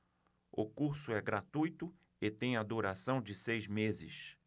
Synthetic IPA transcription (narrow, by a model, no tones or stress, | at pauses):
ʊ̰kuɾsʊɛɡɾat̪ujt̪ʊ | ɪt̪ẽj̃ad̪uɾasɐ̃w̃d͡ʒɪsejzmezɪ̰s